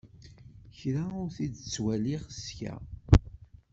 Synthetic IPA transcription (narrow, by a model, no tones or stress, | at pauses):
çɾaʊɾθidt͡sːwæliʁəskæ̰